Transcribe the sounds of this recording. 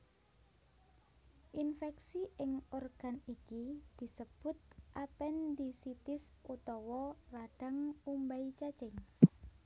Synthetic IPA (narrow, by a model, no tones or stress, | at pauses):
ʔinfɛksiʔɪŋorɡ̥a̤nikid̪̥i̤səb̥ʊt̪̚ʔapɛnd̪isit̪ɪs | ʔut̪ɔwɔraɖ̥a̤ŋumbait͡ʃḁt͡ʃɛŋ